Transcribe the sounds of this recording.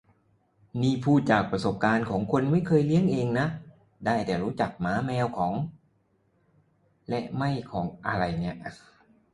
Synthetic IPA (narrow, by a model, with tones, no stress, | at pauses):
niː˥˩pʰuː˥˩t̪̚t͡ɕaː˨˩k̚pɾa˧so˨˩p̚kaː˧nkʰɔː˩˦ŋkʰo˧nma˥˩jkʰɤː˧jli˦˥əŋʔeː˧ŋna˦˥ʔ | daː˥˩jt̪ɛː˨˩ɾuː˦˥t͡ɕa˨˩k̚maː˩˦˥mɛː˧wkʰɔː˩˦ŋ | lɛ˦˥ʔma˥˩jkʰɔː˩˦ŋʔa˧ɾa˧jni˦˥ɐʔ